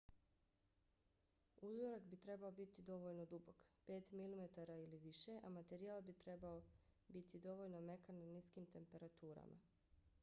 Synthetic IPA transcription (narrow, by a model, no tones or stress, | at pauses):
uzoɾakbit̪ɾe̞baobit̪id̪o̞ʋo̞ʎno̞d̪ubo̞kpe̞ːt̪milime̞t̪aɾailiʋiʃe̞ʔamat̪e̞ɾialˠbit̪ɾe̞bao | bit̪id̪o̞ʋo̞ʎno̞me̞kanːaniskimt̪e̞mpe̞ɾat̪uːɾa̰mʔa̰